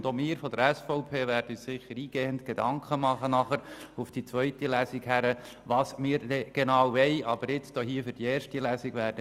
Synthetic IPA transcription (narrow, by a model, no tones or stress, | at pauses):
nd̥omɪːɾfɔd̪əɾɛsfɔʊpʰeːʋæɾdəyːssɪχːəɾiːɡ̥eːəntɡ̥ed̪ɑŋkχəmɑχənɑχəɾufd̥it͡sʋœʏtilæːsikhæɾə | ʋɑːsmɪːɾdɛɡ̥enɑːwʋɛjɑb̥əɾɪt͡sd̥̪oɦiəfʏɾd̥ieːrʃtilæːsiɡ̥ʋæːɾdə